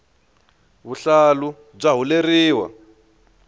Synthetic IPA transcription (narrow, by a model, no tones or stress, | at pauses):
βuɬalu | b͡ʐaɦuleriːwa̰